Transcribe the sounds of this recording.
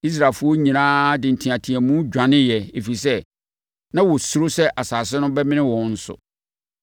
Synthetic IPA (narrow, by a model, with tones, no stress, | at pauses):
i˦s̬ɾaː˨fʊ˦ɔ˦ɲĩ˨nãː˦dɪ̃˨n̩˨tʰĩ˨ã˨tʰĩ˨æ˨mũ˦d͡ʑᶣã˨nɪ̃˦jɛ˨e˨fi˨sɛ˦ | nã˦wɔ˨sʊ˦ɾo˦sɛ˦ʔa˨saː˨sɪ˦nʊ̃˦bɛ˦mɪ̃˦nɪ̃˦wɔ̃˨˦n̩˦sʊ̰˨